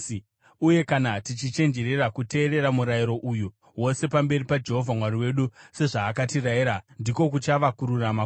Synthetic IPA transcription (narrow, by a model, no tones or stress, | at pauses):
uje̞kanatit͡ʃit͡ʃe̞nd͡ʒe̞ɾe̞rakute̞ːɾe̞ɾamuɾajiɾo̞ʔuju | wo̞se̞pambe̞ripad͡ʒe̞ɦo̞vʱamwaɾiwe̞ɗuse̞ʐaːkatiraiɾandiko̞k̬ut͡ʃaʋakuɾurama